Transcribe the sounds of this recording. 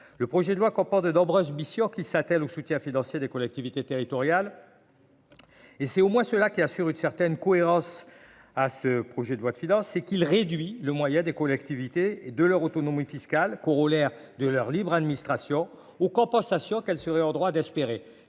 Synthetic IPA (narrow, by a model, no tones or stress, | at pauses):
ləpχɔʒɛd̪əlwakɔ̃pɔʁt̪̚d̪ənɔ̃bʁøzmisjɔ̃kʲisat̪ɛlosut̪jɛ̃finɑ̃sjed̪ekɔlɛk̚t̪ivit̪et̪eʁit̪ɔʁjal | esɛt̪omwɛ̃səlakʲiasyʁynsɛʁt̪ɛnkɔeʁɑ̃s | asəpχɔʒɛd̪əlwad̪əfinɑ̃sːɛkilʁed̪ɥiləmwajɛ̃d̪ekɔlɛkt̪ivit̪ed̪əlœʁot̪ɔnɔmifiskalkɔʁolɛʁ | d̪əlœʁlibʁad̪minist̪χasjɔ̃ | okɔ̃pɑ̃sasjɔ̃kɛlsəʁɛɔʁd̪ʁwad̪ɛspeʁe